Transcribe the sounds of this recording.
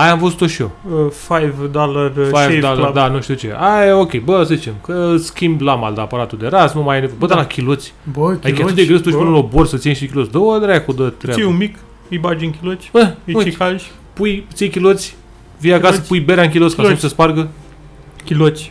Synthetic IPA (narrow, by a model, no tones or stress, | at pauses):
ajamfəzu̥t̪oʃioəfajvd̪olarfajvd̪alad̪anuʃt̪iut͡ʃḛaokʲejbəsəzit͡ʃe̞mkəskʲimblama̰ld̪apəɾat̪ud̪e̞ɾasnumajenevojbəd̪alakʲilot̪sʲbəad̪iikat̪ɨt̪d̪eɡɾest̪oʃpɨnəloborsəsijemʃikʲilosd̪owəd̪ɾajakud̪ət̪ɾeaumik | ijbad͡ʒiŋkʲilot̪sʲəmuikaʒ | pujt̪siejkʲilot̪sʲ | vijakasəpujbeɾʲaŋkʲilotskasumsəsparɡə | kʲilot̪sʲ